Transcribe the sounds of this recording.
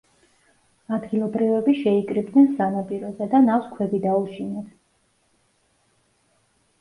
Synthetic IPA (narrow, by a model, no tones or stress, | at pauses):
ad̪ɡilˠɔbɾivɛbiʃɛikʼɾibd̪nɛnsanapʼiɾɔzɛd̪anaχskʰwɛbid̪auʃinɛt̪ʰ